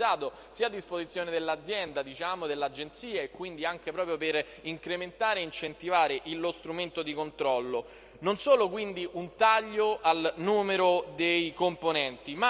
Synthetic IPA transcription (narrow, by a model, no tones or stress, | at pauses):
aːt̪o | siːad̪ːispozit̪sːjoːned̪elːad̪zːjɛnd̪ad̪it͡ʃaːmod̪elːad͡ʒːent̪siːaekːwind̪iaŋk̟epɾɔːp̬ɾjoper | iŋkɾement̪aːɾeint͡ʃent̪ivaːɾeʔilːost̪ɾument̪od̪ikont̪ɾɔlːo | nonsoːlokwind̪iʔunt̪aʎːoʔalnuːmeɾod̪ejkomponɛnt̪ima